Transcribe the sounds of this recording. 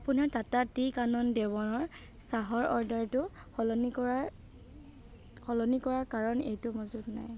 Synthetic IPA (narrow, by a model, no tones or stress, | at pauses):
apʊnaɹtatatikanɔndɛbɔnɔɹ | saɦɔɹɔɹdaɹtʊ | kʰɔlɔnikɔa | kʰɔlɔnikɔɹaɹkaɹɔnḛjtʊmɔzudna̰j